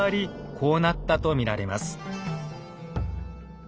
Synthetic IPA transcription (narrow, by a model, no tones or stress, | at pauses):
aɾʲikʰo̞ːnat̪ːat̪o̞mʲiɾaɾe̞ma̰sɨ̥